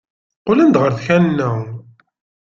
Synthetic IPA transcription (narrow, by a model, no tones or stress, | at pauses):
qolænd̪ʁəɾθçænnːæ